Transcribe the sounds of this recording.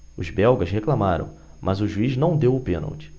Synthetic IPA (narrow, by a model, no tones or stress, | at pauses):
ʊzbɛwɡɐʃɦeklamaɾɐ̰̃w̃ | mʔɐzʊʒuiznɐ̃w̃d̪ewʊpẽno̰wt͡ʃɪ̥